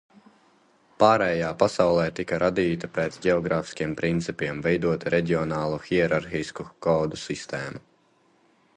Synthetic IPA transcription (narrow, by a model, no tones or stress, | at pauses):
paːɾɛːjaːpasawlˠɛːt̪ikɐɾʔad̪iːt̪ɐpɛːt̪sɟʲɛɔɡɾaːfi̥skʲiɛmpɾint̪sipiɛmvɛjd̪uɔt̪ɾɛɟʲiɔnaːlˠuxʲiɛɾaɾxiskukɔːd̪usist̪ɛːmu